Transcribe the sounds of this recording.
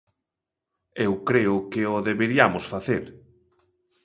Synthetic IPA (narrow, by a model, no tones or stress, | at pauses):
ewkɾeʊkɪoðeβeɾiamʊsfaθeɾ